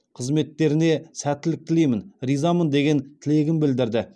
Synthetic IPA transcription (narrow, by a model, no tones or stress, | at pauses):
qʰəzme̞t̪ːe̞ɾɪne̞sæt̪ːɪlɪk̚t̪ʰɪlejmɪnɾijzamənd̪e̞ɡʲe̞nt̪ʰɪle̞ɡʲɪnbɪld̪ɪɾd̪ɪ